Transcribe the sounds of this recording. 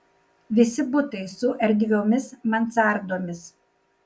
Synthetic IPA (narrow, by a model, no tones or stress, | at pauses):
ʋʲɪsʲɪbʊt̪ɐɪsʊʔɛɾʲd̪ʲɡʲoːmʲɪsmɐnt̪sɑˑɾd̪oːmʲɪs